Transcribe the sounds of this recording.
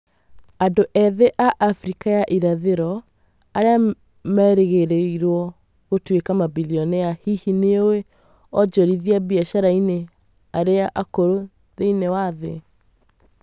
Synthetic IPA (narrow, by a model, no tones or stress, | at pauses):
andoʔɛðɛʔaʔafɾikajaʔiɾaðeɾɔ | aɾea | mɛɾeɣeɾeiɾwɔ | ɣotwekamabiliɔneahihineowe | ɔd͡ʒɔɾiðiabiaʃaɾaine | aɾeaʔakoɾo | ðeinewaðḛ